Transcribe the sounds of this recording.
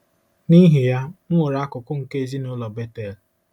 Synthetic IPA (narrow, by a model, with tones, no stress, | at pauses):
ni˦ɦi˨ja˦m̩˦wo˨ɾa˦kʊ˨kʊ˦ŋ̩˨ke˦e˦zi˦nʊ˦lɔ˨be˦te˨l